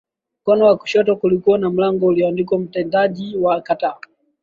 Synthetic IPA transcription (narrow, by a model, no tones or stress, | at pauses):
m̩kɔnɔwaku̥ʃɔtɔkulikuanam̩laŋɡɔuliandikɔm̩tɛndaʄiwakataː